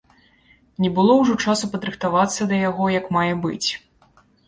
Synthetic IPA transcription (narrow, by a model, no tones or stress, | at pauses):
nʲɛbɨlˠɔwʐɔt͡ʂasupɐd̪ɾɨxt̪avat̪sːɐd̪ɐjaɣɔjɐkmajɛbɨ̰t͡sʲ